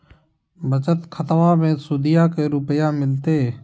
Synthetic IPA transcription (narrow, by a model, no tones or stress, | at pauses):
bət͡ʃət̪kʰət̪ʋaːmẽːsuːd̪ɪjaːkeːɾʊpjaːmɪlt̪eː